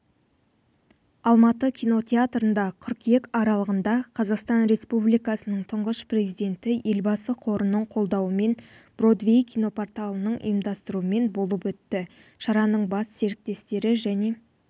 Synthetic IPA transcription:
ɑlˠmɑt̪əkʲʰijno̞t̪ʲʰe̞at̪rənd̪ɑkʲʰʏɾkje̞kɑɾɑlˠəʁənd̪ɑqʰɑzɑqst̪ɑnɾe̞spublijkɑsənəɴt̪ʰʊɴʁəspre̞zijd̪e̞nt̪ɪʔe̞lbɑsəqʰo̞ɾənəɴqʰo̞lˠd̪ɑwəme̞nb̥ro̞d̪vʲe̞jkʲʰijno̞po̞rt̪alˠənəɴʊ̰jəmd̪ɑst̪əɾuəme̞nbo̞lˠəpwɵt̪ːɪ | ʃɑɾɑnəɴbɑsse̞ɾɪk̚t̪e̞st̪e̞ɾɪʒæne̞

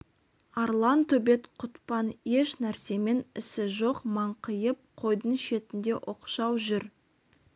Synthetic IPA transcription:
ɑɾlˠɑnt̪ʰɵbe̞t̪qʰʊt̪pɑne̞ʃnæɾse̞me̞nɪsɪʒo̞qmɑɴqʰəjəp̚qʰo̞jd̪əɴʃe̞t̪ɪnd̪e̞ʔoqʃɑwʒʏɾ

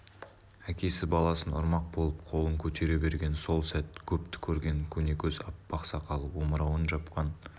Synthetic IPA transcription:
ækʲe̞sɪbɑlˠɑsənʊ̰ɾmɑq̚bo̞lˠəp̚qʰo̞lˠəŋkʲʰɵt̪e̞ɾe̞be̞ɾɡʲe̞nso̞lˠsæt̪̚kʲʰɵpt̪ɪ̥kʲʰɵɾɡʲe̞ŋkʲʰɵne̞kʲɵzɑpːbɑqsɑqʰɑlˠuwo̞məɾɑwənʒɑpqɑn

